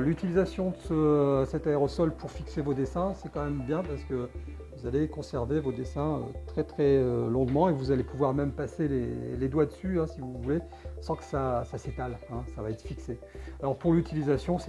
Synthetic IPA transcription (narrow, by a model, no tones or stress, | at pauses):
lyt̪ilizasjɔ̃d̪əsəsɛt̪aeʁɔsɔlpʰuʁfiksevod̪esɛ̃sɛkɑ̃mɛmbjɛ̃paʁsə̥kə | vuzalekɔ̃sɛʁvevod̪esɛ̃ø̰t̪χɛt̪χɛølɔ̃ɡmɑ̃evuzalepuvwaʁmɛmpaselḛled̪wad̪əsyɛ̃sivuvule | sɑ̃kə̥sasaset̪alɛ̃savaɛt̪χfikse | alɔʁpuʁlyt̪ilizasjɔ̃sɛ